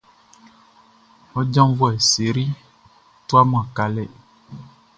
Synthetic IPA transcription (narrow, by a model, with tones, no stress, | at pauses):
ɔ˦d͡ʒã˦m˦vɔ˦ɛ˨se˨ɾi˦ | t̪u˦a˦m̃˦˨a˨ka˨lɛ˦